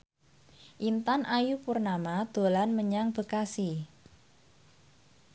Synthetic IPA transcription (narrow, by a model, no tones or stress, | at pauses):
ʔint̪anʔajupurnamad̪̥o̤lanməɲaŋb̥ə̤kasi